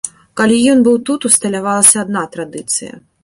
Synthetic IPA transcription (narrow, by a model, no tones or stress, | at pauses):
kalʲijɔnbɨwt̪ut̪ust̪ɐlʲavalˠɐsʲɐːd̪nat̪ɾad̪ɨt̪sɨjɐ̰